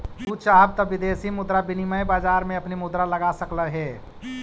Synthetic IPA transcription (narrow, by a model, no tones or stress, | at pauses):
ut͡ʃaːb̚t̪ɔʋɪd̪eːsimʊd̪ɾabɪniməjbaːd͡ʒaːɾmẽɐpnimʊd̪ɾalɐɡasəkləɦɛː